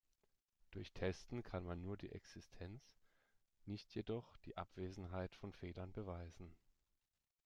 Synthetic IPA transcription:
d̥ʊɐçtʰɛstn̩kʰanmanːuːɐdḭːʔɛksɪstʰɛnt͡s | nɪçtjedɔχd̥ḭːʔa̰pv̥eːzn̩ɦaɪtfɔnfeːlɐnbəvaɪzn̩

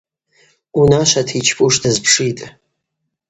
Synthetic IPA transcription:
unaʃʷatʰit͡ʃʰpʼuʂdazpʰʂitʼ

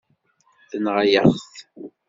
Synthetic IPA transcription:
θənʁajəχθ

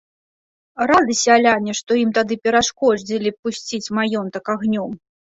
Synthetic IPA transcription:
rad̪ɨsʲɐːlʲanʲɛʂt̪ɔjimt̪ad̪ɨpʲɛɾaʂkɔd͡zʲilʲipusʲt͡sʲit͡sʲmajɔnt̪ɐkaɣnʲɔm

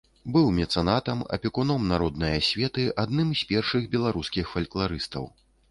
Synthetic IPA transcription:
bɨwmʲɛt̪sɛnat̪ɐmɐ̰pʲɛkunɔmnaɾɔd̪nɐjɐsʲvʲɛt̪ɨʔad̪nɨmsʲpʲɛrʂɨxbʲɛlˠaɾuskʲixfɐlʲklˠaɾɨst̪ɐ̰w

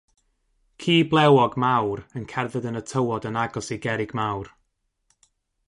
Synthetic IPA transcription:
kʰiːblˠɛwɔɡmawɾənkʰɛrvɨðənətʰəwɔdənaɡɔsiɡɛɾɪɡ̥mawr

